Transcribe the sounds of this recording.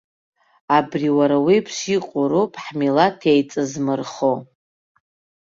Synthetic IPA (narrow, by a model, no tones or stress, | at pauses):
abriwaɾawipʰʂiqʼʊɾopʰʼħmilatʰejt͡sʼɨzmɨrχo